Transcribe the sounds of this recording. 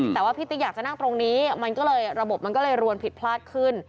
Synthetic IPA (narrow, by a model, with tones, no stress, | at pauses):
t̪ɛː˨˩waː˥˩pʰiː˦˥˩t̪ʰi˦˥jaː˨˩k̚t͡ɕa˨˩na˥˩ŋt̪ɾo˧ŋniː˦˥ma˧nkɔː˥˩lɤː˧jɾa˧bo˨˩p̚ma˧nk̬ɔː˥˩lɤː˧jɾu˧ənpʰi˨˩t̪̚pʰlaː˥˩t̪̚kʰɯ˥˩n